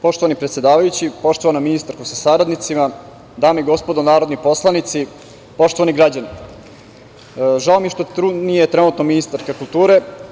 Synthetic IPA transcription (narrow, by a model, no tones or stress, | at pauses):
po̞ʃt̪o̞ʋanipɾet̪sjed̪aːʋajut͡ɕipo̞ʃt̪o̞ʋanaminist̪aɾkosasaɾad̪nit̪sima | d̪aːmeiɡo̞spo̞d̪onaːɾod̪nipo̞slˠanit̪si | po̞ʃt̪o̞ʋaniɡɾad͡ʑani | ʒaomiʃt̪ot̪ɾud̪nijet̪ɾenuːt̪nominist̪aɾkakulˠt̪uːɾe̞